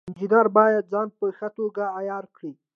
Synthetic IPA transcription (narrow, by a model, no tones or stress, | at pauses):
ɪnd͡ʒinɑɾbɑjad̪̚zɑnpəxat̪oɡaːjɑɾkɽi